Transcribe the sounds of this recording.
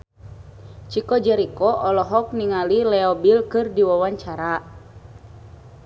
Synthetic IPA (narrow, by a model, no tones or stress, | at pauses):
t͡ʃikɔd͡ʒɛɾikɔʔɔlɔɦɔk̚niŋalilɛɔbilkɨrdiwawaɲt͡ʃaɾa